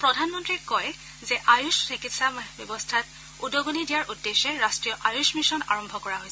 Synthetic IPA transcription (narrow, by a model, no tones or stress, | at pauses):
pɹɔdʱanmɔntɹikɔj | zɛʔajussikitsabɔbɔstʰat | udɔɡonidijaɹʔudːeʃɛɹastɹijɔʔajusmisɔna̰ɹɔmbʱɔkɔɹaɦojsɛ